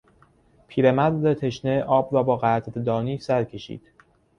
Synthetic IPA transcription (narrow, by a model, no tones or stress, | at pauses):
pʰiːɾemæd̪let̪ʰe̞ʃneʔɒːbɾɒːbɒːɣæt̪ʰɾd̪ɒːniːsæɾcʰe̞ʃḭːd̪̥